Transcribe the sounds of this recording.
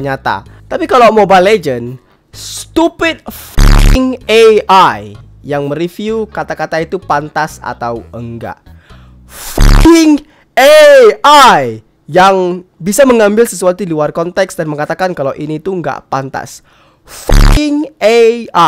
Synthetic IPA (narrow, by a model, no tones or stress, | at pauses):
ɲat̪a̰ | t̪apikalawmobaled͡ʒən | st̪upɪt̪̚fa̰kɪŋeaj | jaŋməɾifjiukat̪akat̪ait̪upant̪asa̰t̪awəŋɡa̰ʔ | fa̰kɪŋ | eaj | jaŋbisaməŋambɪlsəsuat̪uiluarkɔnt̪ɛksdanməŋat̪akankalawʔinit̪uŋɡa̰ʔpant̪a̰s | fa̰kɪŋea